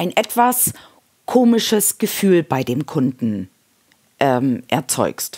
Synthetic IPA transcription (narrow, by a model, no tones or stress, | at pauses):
aɪnʔɛtv̥as | kʰoːmɪʃəsɡ̥əfyːlbaɪdeːmkʰʊndn̩ | ʔɛːmʔɛɐt͡sɔ̰ʏkst